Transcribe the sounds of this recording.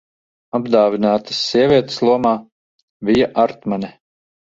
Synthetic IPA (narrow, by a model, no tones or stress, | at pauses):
abd̪aːvinaːt̪ɨ̥sʲːiɛvʲiɛt̪e̥slˠuɔmaː | vʲijaʔaɾt̪manʲɛ